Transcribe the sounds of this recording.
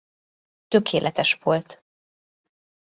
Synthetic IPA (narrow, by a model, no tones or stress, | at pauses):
t̪ø̞kʰeːlʔɛt̪ɛʃʋo̞lt̪